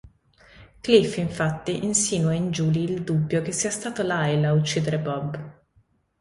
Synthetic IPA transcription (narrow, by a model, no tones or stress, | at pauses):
klifiɱfat̪ːiʔinsiːnuaind͡ʒuːliːld̪ubːjok̟esːiːast̪aːt̪olajlaut͡ʃːiːd̪eɾebɔb